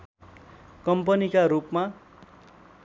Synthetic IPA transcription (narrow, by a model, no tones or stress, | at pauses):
kʌmpʌnikaɾupma